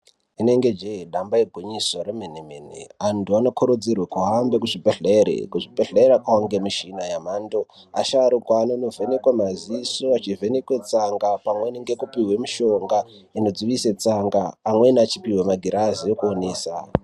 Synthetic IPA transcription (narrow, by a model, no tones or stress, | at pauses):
ine̞ŋɡe̞d͡ʒeiɗambaeɡʱoɲisoremenemenḛantuanokʰoɾod͡zirwakuɦambe̞kuʐibʱeɮeɾḛkuʐibʱeɮeeɾakaaŋɡemiʃinajam̤aːndo | a̰ʃaɾukwaːnonovʱenekwamazisoat͡ʃivʱenekwet͡saŋɡapamweniŋɡe̞kupiwemiʃo̞ŋɡa | ino̞d͡ziʋiset͡saŋɡaːmwe̞nat͡ʃipiwemaɡʱiɾaziokuoneːsa